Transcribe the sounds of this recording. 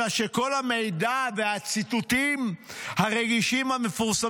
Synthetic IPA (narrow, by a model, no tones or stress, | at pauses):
aʃe̞ko̞lhame̞jd̪ave̞hat͡sit̪ut̪imhaʁeɡiʃimhame̞fuʁsa